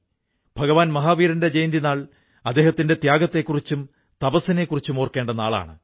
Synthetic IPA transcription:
b̥ʱɐɡɐʋaːnmɐɦaːʋiːɾɐnde̞d͡ʑejnd̪inaːɭ | ɐd̪ːe̞ːhɐt̪ːinde̞t̪jaːɡɐt̪ːe̞kːurit͡ɕːum | t̪ɐbɐsine̞kːurit͡ɕːumo̞ːrke̞ːɳɖɐnaːɭa̰ːɳɨ̰

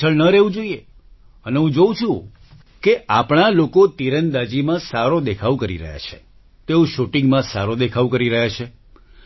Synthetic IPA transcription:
əɭnəɾeʋũd͡ʒoie | əneɦũd͡ʒoũt͡ʃʰũ | keʔapɳalokot̪iɾənd̪ad͡ʒimãsaɾod̪ekʰaʋkəɾḭɾə̰ɦja̰t͡ʃʰe̥ | t̪eõʃuʈɪ̃ŋɡmãsa̰ɾod̪ekʰaʋkəɾiɾəɦjat͡ʃʰe

